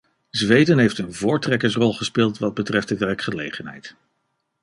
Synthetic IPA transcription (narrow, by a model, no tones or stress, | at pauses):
zʋejdənɦejftənvʊːɹtrɛkəɹs̬rɔlˠχəspɪːlˠtʋɑd̚bətrɛft̚dəʋɛrkχəlejχənɦɛ̰jt